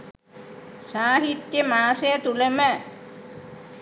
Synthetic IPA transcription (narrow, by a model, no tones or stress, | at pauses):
saːɦit̪jəmaːsejət̪ulemə